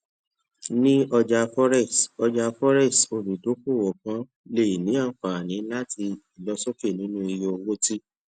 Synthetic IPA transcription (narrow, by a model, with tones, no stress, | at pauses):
nĩ˦ɔ˧d͡ʒa˧fɔ˦ɾɛ˦˨sɔ˧d͡ʒa˧fɔ˦ɾɛ˦˨sto˧˨ɾi˨do˨˦ko˦˨wɔ˨kã˨˦ | le˦˨i˨nĩ˨˦a˦˨k͡pa˨nĩ˨˦la˦ti˧i˨lɔ˧˦so˦ke˦˨nĩ˨˦nũ˦i˧jo˧wo˦ti˦